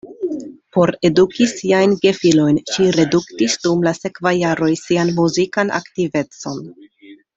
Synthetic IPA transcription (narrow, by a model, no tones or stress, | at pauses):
po̞ɾe̞dukisiajnɡe̞filo̞jnʃiɾe̞duktisd̥umlase̞kvajːaɾo̞jsianmuzikanʔa̰ktive̞t͡so̞̰n